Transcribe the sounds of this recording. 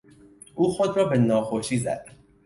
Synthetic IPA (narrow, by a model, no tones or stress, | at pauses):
ʔuːxod̪ɾɒːbe̞nɒːxoʃiːzæ̰d̪̥